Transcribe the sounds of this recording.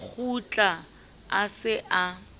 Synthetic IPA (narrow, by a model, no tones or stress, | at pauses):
k͡xʰut͡ɬʼa | asɪʔa